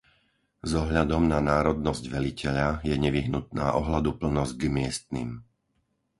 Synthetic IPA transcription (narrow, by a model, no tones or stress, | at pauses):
zɔɦʎad̪ɔmnanaːɾɔd̪̚nɔzɟʋɛlicɛʎajɛɲɛʋiɦnut̪̚naːʔɔɦlad̪upl̩nɔzɟɡmɪɛst̪nḭm